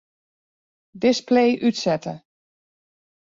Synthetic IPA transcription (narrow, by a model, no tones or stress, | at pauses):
dɪspleːʔytsɛtə